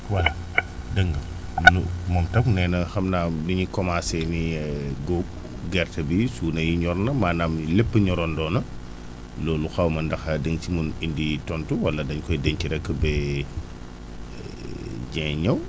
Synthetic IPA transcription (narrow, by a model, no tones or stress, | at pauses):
wɐl | dəŋɡɐ | numɐmtɐknɛːnɐxɐmnadiɲikɔmasɛniɡok̚ | ɡɛrtɐbisuːnɐjiɲɔɾnɐmaːnaːmlɛpːəɲɔɾɔndɔːnɐ | lɔːluxɐwmɐndɐxadəŋt͡ʃimuninditɔntuwɐlːɐdɐɲkɔjdɛɲciɾɛkːəbɛː | ɟɛːɲɐw